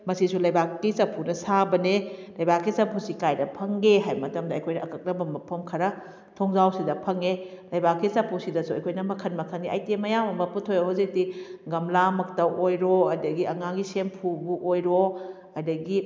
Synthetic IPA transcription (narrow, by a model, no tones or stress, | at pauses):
mɐsisulɐjbakːisɐpʰunɐsabɐnelɐjbakːisɐpʰusikajdɐpʰɐŋɡeɦajmɐtɐmdɐːjkʰojnɐʔːkɐk̚nɐbɐmɐpʰɐmkʰɐɾɐ | tʰoŋzawsidɐpʰɐŋelɐjbakːisɐpʰusidɐsuɐjkʰojnɐmɐkʰɐnmɐkʰɐnːiʔajtemɐjamɐmɐputʰojoɦozik̚tiɡɐmlamɐktɐwʔojɾoɐdɐɡiɐŋaɡisempʰubuʔojɾo | ɐdɐɡi